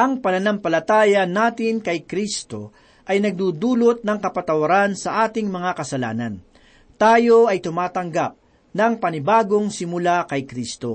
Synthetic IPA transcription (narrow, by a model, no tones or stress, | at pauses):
ʔɐŋpɐnɐnampɐlɐt̪aːjɐnaːt̪ɪnkɐjkɾist̪o̞̰ | ʔɐjnɐɡ̚d̪uːd̪uːlot̪̚nɐŋkɐpɐt̪ɐwɐɾansɐʔaːt̪ɪŋmɐŋakɐsɐla̰ːnɐn | t̪aːjo̞ʔɐjt̪ʊmaːt̪ɐŋɡap̚ | nɐŋpɐnɪbaːɡo̞ŋsɪmʊlakɐjkɾist̪o̞